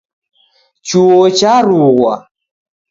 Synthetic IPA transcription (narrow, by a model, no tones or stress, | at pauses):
t͡ʃuot͡ʃaɾuɣwa